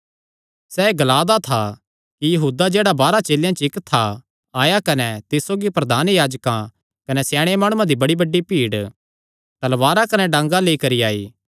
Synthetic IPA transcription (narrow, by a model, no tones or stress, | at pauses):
sɛːeɡɐlaːd̪at̪ʰa | kijɐɦuːd̪ad͡ʒeːɽabaːɾat͡ʃeːljãt͡ʃɪkt̪ʰːa | aːjakɐnɛt̪ɪssoːɡipɾɐd̪ʱaːnjaːd͡ʒkã | kɐnɛsɛːɽ̃emaːɽ̃ʊ̃ãd̪ibɐɽibɐɖːipiːɽ | t̪ɐlʋaːɾakɐnɛɖɐ̃ŋɡaleikɐɾiaːiː